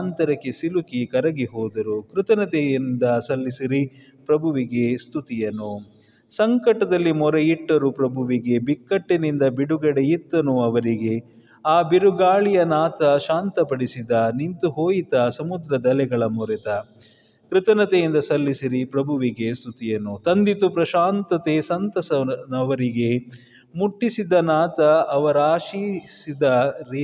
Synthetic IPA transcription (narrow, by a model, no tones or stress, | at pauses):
aːnt̪ɐɾɐkːesilukikɐɾɐɡiɦɔːd̪ɐɾukɾɨt̪ɐnɐt̪ejind̪ɐsɐlːisiɾi | pɾɐbʱuʋiɡe̞st̪ʰut̪ijɐnu | sɐŋkɐʈːɐd̪ɐlːimɔɾeiʈːɐɾupɾɐbʱuʋiɡe̞bikːɐʈːinind̪ɐbiɽuɡɐɽeit̪ːɐnuɐʋɐɾiɡe̞ | aːbiɾuɡaːɭijɐnaːt̪ɐʃaːnt̪ɐpɐɽisid̪ɐnint̪uɦoːjit̪ɐsɐmud̪ɾɐd̪ɐlɛɡɐɭɐmɔɾɛt̪ɐ | kɾɪt̪ɐnɐt̪ejind̪ɐsɐlːisiɾipɾɐbʱuʋiɡe̞st̪ʰut̪ijɐnut̪ɐnd̪it̪upɾɐʃaːnt̪ɐt̪e̞sɐnt̪ɐsɐnɐʋɐɾiɡe̞ | muʈːisid̪ɐnaːt̪ɐɐʋɐɾaːʃiːsid̪ɐɾ